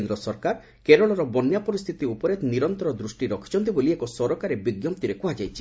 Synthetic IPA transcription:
nd̪ɾɔsɔɾkaɾ | keɾɔɭɔɾɔbɔnjapɔɾist̪ʰit̪iupɔɾet̪niɾɔnt̪ɔɾɔd̪ɾusʈiɾɔkʰi̥t͡ʃʰɔnt̪iboliekɔsɔɾɔkaɾebiɡjɔmp̚t̪iɾekoɦad͡ʒajt͡ʃʰi̥

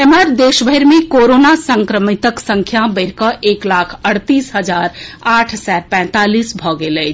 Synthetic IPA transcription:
emaɾd̪eːʃbʱəɦɪɾmẽkoːɾoːnasə̃ŋkɾəmit̪əksə̃ŋkʰjabəɪɾkəʔeːklaːkʰəɽt̪iːsɦəd͡ʒaːɾaːʈʰsɛːɾpɛ̃ːt̪aliːsbʱɔːɡelɛ

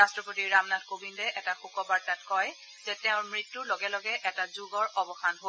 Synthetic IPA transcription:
ɹastɹɔpotiɹɹamnadkobindɛʔɛtaxukɔbaɹtatkɔj | zɛtɛʊ̃ɹmɹitːuloɡɛlɔɡɛʔɛtazuɡɔɹɔbɔxanɦo

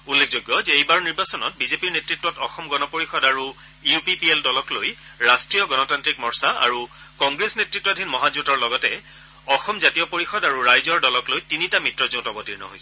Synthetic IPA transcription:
ulːekʰzojɡːɔzɛejbaɹniɹbasɔnɔ̰t̚bizepiɹnetɹitːɔtɔxɔmɡɔnɔpoɹixɔdaɹu | iupipieldɔlɔklojɹastɹijɔɡɔnɔtantɹikmɔɹsaa̰ɹu | kɔŋɡɹesnetɹitːɔdʱinmɔɦazutɔɹlɔɡɔtɛ | ɔxɔmzatijɔpoɹixɔdaɹuɹajzɔɹdɔlɔklojtinitamitɹɔzõtɔbɔtiɹnɔ̰ɦo̰jsɛ

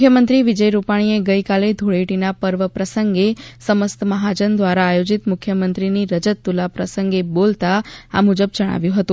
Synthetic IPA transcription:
kʰjəmənt̪ɾiʋid͡ʒəjɾupaɽ̃ieɡəjkaled̪ʱuɭeʈinapəɾʋəpɾəsəŋɡesəməst̪əməɦad͡ʒənd̪ʋaɾaːjod͡ʒit̪mʊkʰjəmənt̪ɾiniɾəd͡ʒət̪ːulapɾəsəŋɡebolt̪aa̰mud͡ʒəbd͡ʒəɽ̃a̰ʋjũɦət̪ũ

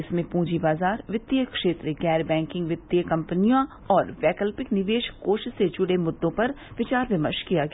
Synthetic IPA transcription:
ɪsmẽpũːd͡ʒibaːzaːɾʋɪt̪ːjəkʃeːt̪ɾeɡɛːɾbɛ̃ːŋkɪ̃ŋɡʋɪt̪ːjəkɐmpənijã | ɔːɾʋɛːkəlpɪknɪʋeːʃoːʃsed͡ʒʊɽemʊd̪ːõpɐɾ | ʋɪt͡ʃaːɾʋɪmə̰ɾʃkijaɡɐ

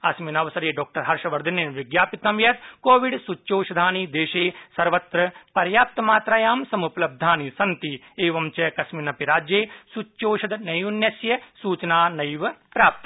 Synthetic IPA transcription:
ɐsminɐʋsɐɾeːɖɔːk̚ʈɐɾɦɐɾʃɐʋɐɾd̪ɐninʋɪɡjaːpit̪ɐmjɐt̪koːʋɪɖsut͡ʃːt͡ʃoːʃɐd̪ʱaːniːd̪eːʃeːsɐɾʋɐt̪ɾɐpɐɾjaːp̚t̪ɐmaːt̪ɾaːjaːmsɐmuplɐb̚d̪ʱaːnisɐnt̪i | eːʋɐmt͡ʃɐkɐsminɐpiɾaːd͡ʒjeːsuoːʃɐd̪nɐjunjɐsjɐsuːt͡ʃɐnaːnɐjiʋpɾaːp̚t̪ɐ

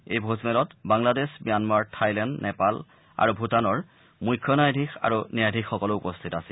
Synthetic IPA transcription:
ejbʱozmɛlɔtbaŋladesbijanmaɹtʰajlɛndnɛpal | a̰ɹubʱutanɔɹ | mujkʰːjɔnajdʱixa̰ɹunijajdʱixxːɔkɔloupɔstʰitasi

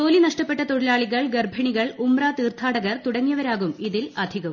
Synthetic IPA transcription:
t̪oːlinɐʂʈɐpːeʈːɐt̪oɽilaːɭiɣɐɭɡerbʱɐɳiɣɐɭumraːt̪iːrt̪ʰːaːɽɐɣɐrt̪uɽɐŋːijɐʋɐɾaːɣumiðilɐd̪ʱiɣɐʋu

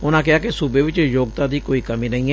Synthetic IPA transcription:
ʊnãːkɪaːkesubeːʋɪt͡ʃjoːɡ̚t̪ãːd̪iːkoːiːkəmiːnəĩɦɛː

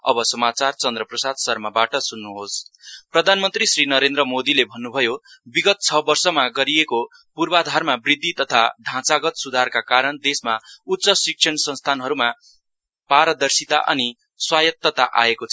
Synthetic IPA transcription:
ʌ̰bʌsʌmat͡sart͡sʌnd̪rʌprʌsad̪sʌrmabaʈʌsunːuɦosprʌd̪ʱanmʌnt̪risrinʌɾend̪ɾʌmod̪ilebʱʌnːubʱʌjobiɡʌt̪̚t͡sʰʌbʌrsʌmaɡʌɾijeko | purbad̪ʱarmabrid̪ʱːit̪ʌt̪ʰaɖʱãt͡saɡʌt̪sud̪ʱarkakaɾʌnd̪esmaut̪ːsʌsik̚sʰʌnsʌ̃nst̪ʰanɦʌɾuma | paɾʌd̪ʌrsit̪a̰ʔʌ̰ni | swajʌt̪ːʌt̪a̰ʔa̰ekot͡sʰ

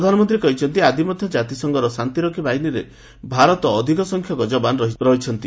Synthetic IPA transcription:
ɾd̪ʱanɔmɔnt̪ɾiekɔɦit͡ʃʰɔnt̪iad̪imɔd̪ʱjɔd͡ʒat̪isɔŋɡɔɾɔsant̪iɾɔkʰibaɦiniɾe | bʱaɾɔt̪ɔːd̪ʱikɔsɔŋkʰjɔkɔd͡ʒɔbanɾɔɦiɾɔɦit͡ʃʰɔnt̪i

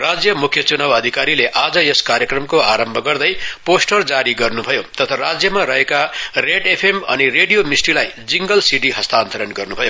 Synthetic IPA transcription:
rad͡zjʌmukʰjʌt͡sunabʌd̪ʱikaɾileʔad͡zʌeskaɾjʌkrʌmkoaɾʌmbʱʌɡʌrd̪ʌjposʈʌrd͡zaɾiɡʌrnubʱʌjot̪ʌt̪ʰʌrad͡zjʌmaɾʌɦekareʈepʰemʌ̰nireɖijomisʈilajd͡ziŋɡʌlsiʈiɦʌst̪aːnt̪ʌɾʌnɡʌrnubʱʌjo

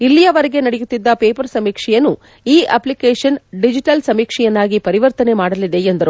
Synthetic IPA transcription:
ilːijɐʋɐɾeɡe̞nɐɽejut̪ːid̪ːɐpeːpɐɾsɐmiːkʂɛjɐnːu | iːʔɐ̰plikeːʂɐnɖid͡ʒiʈɐlsɐmiːkʂɛjɐnːaːɡipɐɾiʋɐɾt̪ɐne̞maːɽɐlid̪e̞end̪ɐɾu

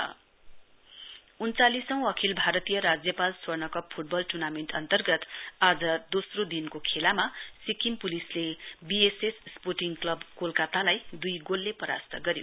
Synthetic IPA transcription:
unt͡salisʌ̃w̃ʌkʰilbʱaɾʌt̪ijʌɾad͡zjʌpalswʌrnʌkʌp̚pʰuʈ̚bʌlʈurnameɳʈʌ̰nt̪ʌrɡʌt̪ad͡zʌd̪osrod̪inkokʰelamasikimpulislebiesessporʈiŋɡklʌbkolkat̪alajd̪ujɡolːepʌɾa̰st̪ʌɡʌɾjo

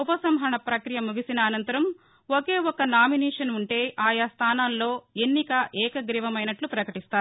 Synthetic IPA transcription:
upɐsɐmɦɐɳɐpɾɐkɾijɐmuɡisinɐːnɐnt̪ɐɾɐm | oke̞ːɔkːɐnaːminɛːʂɐnuɳʈe̞ːʔaːjaːst̪ʰaːnaːlːo̞ːenːikɐʔɛːkɐɡɾiʋɐmɐjnɐʈlupɾɐkɐʈist̪aːɾu

